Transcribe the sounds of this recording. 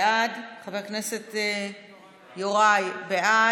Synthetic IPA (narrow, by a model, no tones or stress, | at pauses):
adχaveʁkneset̪ | joʁajbeʔa